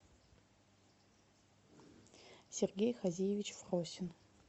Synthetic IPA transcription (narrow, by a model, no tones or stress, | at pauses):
serɡʲejχazijevʲit͡ʃʰfʁosʲɪn